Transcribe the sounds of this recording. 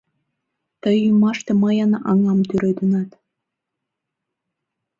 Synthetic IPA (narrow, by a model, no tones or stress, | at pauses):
t̪əjymɑʃt̪emɑjɑnʔɑŋɑmt̪yɾed̪ə̆nɑt̪